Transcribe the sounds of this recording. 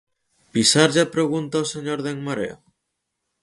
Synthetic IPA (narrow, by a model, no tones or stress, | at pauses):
pisaɾʎapɾeɣ̞unt̪aoseɲoɾðeŋmaɾḛo̰